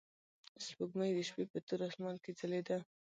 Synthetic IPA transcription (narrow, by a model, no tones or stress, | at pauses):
spəɡmajd̪əʃpepət̪uɾasmɑlked͡zəled̪a